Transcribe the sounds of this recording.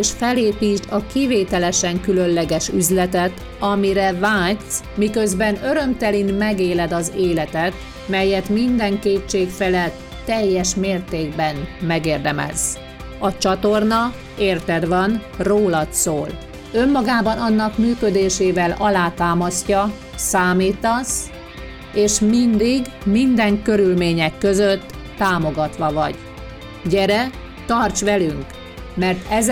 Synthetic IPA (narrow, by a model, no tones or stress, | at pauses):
eʃfɛleːpiːt̪ɒkiveːt̪ɛlɛʃɛŋkylø̞nlɛɡɛʃyzlɛt̪ɛt̪ | ɒmiɾɛvaːsmikø̞zbɛnø̞ɾø̞mt̪ɛlinmɛɡeːlɛd̪ɒzeːlɛt̪ɛt̪ | mɛjɛt̪mind̪ɛŋkeːtt͡ʃːeːkfɛlɛt̪ːɛjːɛʃmeːrt̪eːɡ̚bɛnmɛɡeːrd̪ɛmɛ̰z | ɒt͡ʃɒt̪o̞rnɒ | eːrt̪ɛd̪ʋɒnroːlɒt̪soːl | ømːɒɡaːbɒnɒnːɒkmyːkød̪eːʃeːvɛlɒlaːt̪aːmɒscɒ | saːmiːt̪ɒs | eːʃmind̪iɡ | mind̪ɛŋkø̞ɾylmeːɲɛkːø̞zøt̪ː | aːmo̞ɡɒt̪ʋɒvɒ̰ɟ | ɟɛɾɛ | t̪ɒrt͡ʃʋɛlyŋk | mɛrt̪ɛz